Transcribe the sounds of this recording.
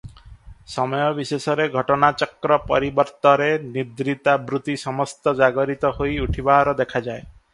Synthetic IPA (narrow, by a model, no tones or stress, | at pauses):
sɔmɔjɔbisesɔɾeɡʱɔʈɔnat͡ʃɔkɾɔpɔɾibɔɾt̪ɔɾenid̪ɾit̪abɾut̪isɔmɔst̪ɔd͡ʒaɡɔɾit̪ɔhojuʈʰibaɦaɾɔd̪ekʰad͡ʒae